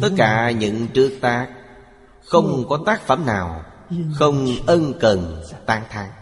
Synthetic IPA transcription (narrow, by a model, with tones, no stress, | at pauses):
t̪ə˦˥t̚kaː˧˩ɲɨ̰˧˥ŋt͡ɕɨ˦˥ək̚t̪aː˦˥k̚ | xə˧wŋ͡mkɔ˨˦t̪aː˦˥k̚fə̰˧˩mna̰ː˨˩w | xə˧wŋ͡mʔə˧nkə˨˩nt̪aː˨˦ŋt̪ʰaː˨˦ŋ